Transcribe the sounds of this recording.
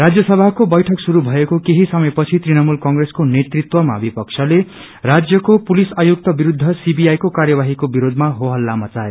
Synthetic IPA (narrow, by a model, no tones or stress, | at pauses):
rad͡zjʌsʌbʱakobʌjʈʰʌksuɾubʱʌekokeɦisʌmʌjpʌt͡sʰit̪rinʌmulkʌŋɡreskonet̪rit̪wʌma̰bʱipʌk̚t͡sʰʌle | rad͡zjʌkopulisajok̚t̪ʌbiɾud̪ʱːʌsibijajkokaɾjʌβaɦikobiɾod̪ʱmaɦoɦʌlːamʌt͡sae